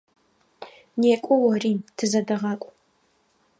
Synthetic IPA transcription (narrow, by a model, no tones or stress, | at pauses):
neːkʷʼɔwɐriːmtʰɨzɐdɐʁɑːkʷʼ